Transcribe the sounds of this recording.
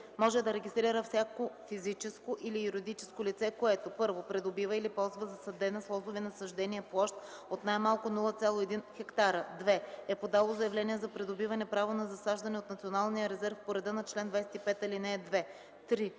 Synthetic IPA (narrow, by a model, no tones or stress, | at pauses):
mɔʒɛd̪ɐɾɛɡʲist̪ɾiɾəfsʲjakofizit͡ʃɛskoʔilijuɾid̪it͡ʃɛ̥skolit̪sɛkoɛt̪opɤɾvopɾɛd̪obivəilipɔlˠzvəzɐsɐd̪ɛnɐslˠɔzovɛnɐsɐʒd̪ɛniɛplˠɔʃt̪ot̪najmalˠkʊnulˠət̪sʲalˠoɛd̪inxɛkt̪aɾəd̪vɛɛpod̪alˠozɐjɛvlɛniɛzɐpɾɛd̪obivɐnɛpɾavonɐzɐsaʒd̪ɐnɛot̪nɐt̪sionalˠnijəɾɛzɛɾfpoɾɛd̪ənɐt͡ʃlɛnd̪vajsɛ̥t̪ipɛt̪ɐlinɛːd̪vɛ | t̪ɾi